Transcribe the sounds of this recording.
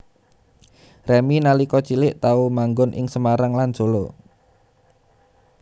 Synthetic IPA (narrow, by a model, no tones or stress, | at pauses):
rɛminalikɔt͡ʃilɪʔt̪aumaŋɡʊnʔɪ̰ŋsəmaɾaŋlan̥ʒ̥olo